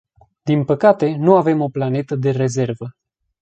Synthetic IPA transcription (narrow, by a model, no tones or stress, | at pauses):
d̪inpəkat̪e̞nuave̞mo̞plane̞t̪əd̪e̞re̞ze̞rvə